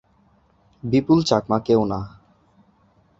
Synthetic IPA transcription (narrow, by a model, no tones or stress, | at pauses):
bipult͡ɕakmakewna